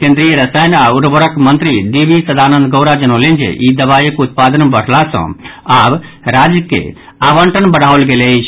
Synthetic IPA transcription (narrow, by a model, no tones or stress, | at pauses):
kẽnd̪ɾijəɾəsajnauɾbəɾəkmənt̪ɾid̪ibisəd̪ʱanə̃nd̪ɡəʊɾad͡ʒənolend͡ʒḛʔid̪əbajəkut̪̚pad̪ənbəɽ̤lasə̰̃ab | ɾad͡ʒjəkḛ | aʋəɳʈənbəɽ̤aolɡelɛt͡ʃʰ